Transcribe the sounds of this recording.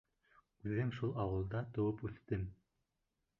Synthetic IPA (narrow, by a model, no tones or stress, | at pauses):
ʉðɘmʃulˠɑwɤ̆lˠd̪ɑt̪ŏwɤpʉθt̪ɘm